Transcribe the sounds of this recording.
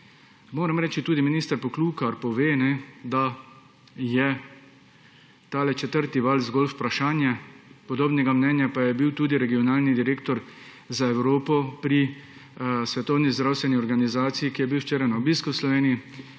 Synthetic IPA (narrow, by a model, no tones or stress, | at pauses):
moːɾɛmɾɛːt͡ʃit̪uːd̪iminist̪əɾpɔkluːkaɾpɔʋeːnɛd̪a | jɛ | t̪aːlɛt͡ʃɛt̪əɾt̪iʋalzɡɔːlfpɾaʃaːnjɛpɔd̪oːbnɛɡamnɛːnjapajɛbiwt̪uːd̪iɾɛɡiɔnaːlnid̪iɾeːkt̪ɔɾ | zaɛwɾoːpɔpɾi | sʋɛt̪ɔwnizd̪ɾawst̪ʋɛniɔɾɡanizaːt̪sijikijɛbiwʃt͡ʃeːɾajnaɔbiːskuwslɔʋeːniji